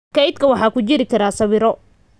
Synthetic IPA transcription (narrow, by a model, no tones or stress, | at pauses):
kʰɐjd̪kʰɐwɑħɑːkʰʊt͡ʃɪɾɪkʰɐɾaːsɐβɪɾɔ